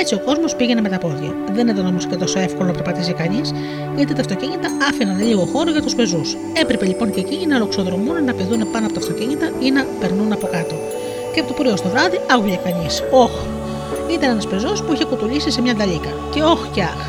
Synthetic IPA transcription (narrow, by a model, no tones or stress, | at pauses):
et͡sio̞ko̞zmo̞spiʝe̞neme̞t̪ɐpo̞ðʝɐ̰ | ðe̞neðonomisic̪et̪o̞so̞e̞fkolonɐpeɾpɐt̪isikɐɲis | ʝɐt̪it̪ɐft̪o̞ciɲit̪ɐɐfinɐnliɣo̞xo̞ɾoʝɐt̪uspe̞zus | e̞pɾe̞pe̞ʎipo̞nceciɲinɐlo̞kso̞ðɾo̞munnɐpeðunepɐnoɐpot̪ɐft̪o̞ciɲit̪ɐinɐpe̞ɾnunɐpo̞kɐt̪o | ceɐpot̪opɾiost̪o̞vɾɐðiɐɣuʝekɐɲiso̞x | it̪ɐnenɐspe̞zo̞spuiçekut̪ulisisemɲɐnd̪ɐlikɐ | ce̞o̞xcɐx